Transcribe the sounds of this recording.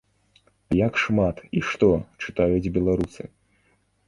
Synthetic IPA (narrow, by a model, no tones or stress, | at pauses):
jakʂmat̪iʂt̪ɔt͡ʂɨt̪ajud͡zʲbʲɛlˠaɾusɨ̰